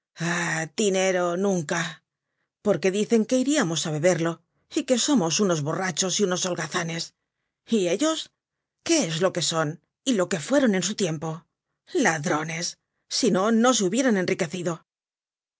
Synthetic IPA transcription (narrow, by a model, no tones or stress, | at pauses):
ad̪ine̞ɾo̞nũŋka | po̞ɾke̞ðiθe̞ŋke̞iɾiamo̞saβe̞βe̞ɾlo̞ | ike̞so̞mo̞suno̞zβo̞rat͡ʃo̞siuno̞solɣaθane̞s | ie̞ʎo̞s | ke̞ezlo̞ke̞so̞n | ilo̞ke̞fwe̞ɾo̞ne̞nsut̪je̞mpo̞ | laðɾo̞ne̞sː | ino̞no̞s̬euβje̞ɾane̞nrike̞θiðo̞